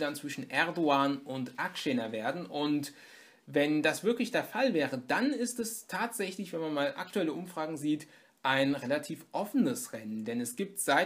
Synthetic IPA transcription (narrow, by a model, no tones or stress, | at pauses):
dant͡sv̥ɪʃn̩ʔɛɐdoaːnʊntʔakʃeːnɐveːɐdn̩ʔʊnt | vɛndasv̥ɪɐklɪçd̥eːɐfalvɛːʁədanɪstɛstʰaːtz̥ɛçlɪçv̥ɛnmanmaːlʔa̰k̚tuɛləʔʊmfʁ̥aːɡŋ̩ziːt | ʔaɪnʁelatʰiːfʔɔfənəsʁɛnəndɛnɛsɡ̥iːp̚tz̥aɪ